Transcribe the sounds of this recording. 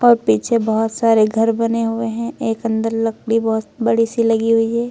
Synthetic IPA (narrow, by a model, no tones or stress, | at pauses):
ɔːɾpiːt͡ʃʰebɔɦʊt̪saːɾeɡʱɐɾbɐneɦʊeɦɛ̃eːkɐ̃nd̪əɾlɐk̚ɽʱibɔɦʊt̪bɐɽisilɐɡiɦʊiɦɛː